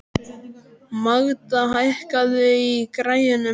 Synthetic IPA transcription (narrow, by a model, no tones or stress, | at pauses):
maɣt̪aɦajhkaðʏikɾaːjɪnʏ